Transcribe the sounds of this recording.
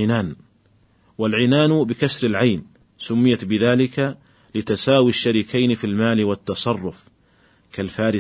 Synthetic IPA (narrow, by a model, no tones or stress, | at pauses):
ɪnaːn | walʕɪnaːnbɪkasɾɪlʕajn | sʊmːɪjat̪bɪðaːlɪka | lɪt̪asaːwiʃːaɾiːkʰajnɪfilmaːlɪwat̪ːɑsˤɑrˤːʊf | kalfaːɾɪ